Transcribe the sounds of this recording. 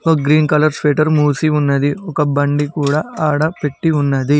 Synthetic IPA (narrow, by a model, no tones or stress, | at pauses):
koɡɾiːnkɐlɐɾspeːʈɐɾmuːsiunːɐd̪iɔkɐbɐɳɖikuːɽɐaːɽɐpeʈːiunːɐd̪i